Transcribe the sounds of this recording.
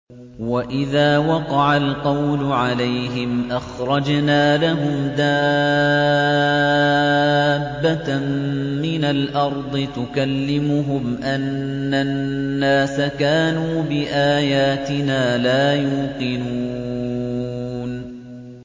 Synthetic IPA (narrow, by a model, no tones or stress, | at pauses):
waʔɪðaːwɑqɑʕalqɑwlʊʕalajɦɪmʔaxɾˤɑd͡ʒnaːlaɦʊmd̪a | bːamːɪnalʔɑɾˤd̪ˤɨt̪ʊkalːɪmʊɦʊmʔanː | aːaːsakaːnuːbɪʔaːjaːt̪ɪnaːlaːjuːqɨnuː | n